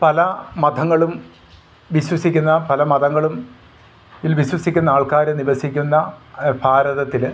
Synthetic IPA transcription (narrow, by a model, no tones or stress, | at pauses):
pɐlɐmɐd̪ʱɐŋːɐɭum | ʋiɕwɐsikʲːunːɐpɐlɐmɐd̪ɐŋːɐɭum | ilʋiɕwɐsikʲːunːɐaːɭkaːɾɐeniʋɐsikʲːunːɐpʰaːɾɐðɐt̪ːil